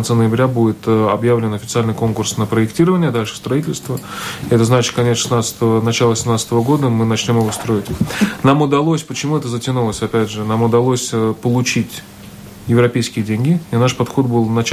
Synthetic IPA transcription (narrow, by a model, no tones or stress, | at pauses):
nsənəjɪbɾʲabudʲɪt̪ːɐbjavlʲɪnɐfʲɪt̪sɨalʲnɨjko̞nkʊrsnəpɾəɪktʲiɾəvənʲɪjəd̪alʲʂɨ̥st̪ɾɐitʲɪlʲst̪vəɛt̪əznat͡ɕɪ̥t̪̚kɐnʲet̪sʂɨ̥snat̪st̪əənɐt͡ɕalˠəsʲɪmnat̪sə̥t̪əvəɡo̞d̪əmɨnɐt͡ɕnʲo̞mjɪvost̪ɾo̞ɪtʲnamʊd̪ɐlˠosʲpət͡ɕɪmuɛt̪əzətʲɪnulˠəsʲɐpʲædʲʐɨnamʊd̪ɐlˠosʲəpəlˠʊt͡ɕitʲ | jɪvɾɐpʲejskʲɪjədʲenʲɡʲɪinaʂpɐt̪xo̞t̪̚bɨlˠnɐt͡ɕ